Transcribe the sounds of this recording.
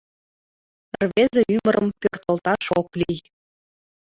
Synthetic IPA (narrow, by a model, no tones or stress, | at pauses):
ərβezeymə̆ɾə̆mpørt̪ə̆lt̪ɑʃoklij